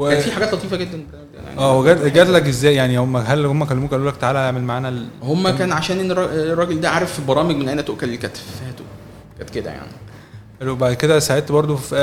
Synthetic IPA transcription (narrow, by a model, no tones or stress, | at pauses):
weæfiħaɡæːt̪lɑt̪iːfæɡed̪ːænbɑɾˤmɡd̪æ̰ja̰ʕʔæːweɡæɡæd̪lækʔezːæːjjaʕnihomːæɦælhomːækælːemuːkæʔæluːlækt̪aʕaːlæjaʕmelmaʕaːnælhomːækæːnʕaʃæːnʔenːɾˤɑrːˤɑːɡeld̪æʕaːɾˤefibɑɾˤɑːmeɡmenʔænæt̪oʔkælelkæt̪ffæt̪oʔ | kæt̪ked̪æ̰ja̰ʕni | ʔælbaʕd̪ked̪æsaʕet̪bɑɾˤd̪ˤofʔæ